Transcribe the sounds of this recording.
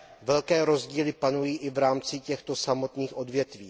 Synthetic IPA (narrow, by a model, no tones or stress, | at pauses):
vɛlkɛːɾo̞zɟiːlɪpanujiːʔɪvɾaːmt͡sɪcɛxt̪o̞samo̞t̪niːxʔo̞dvjɛt̪viː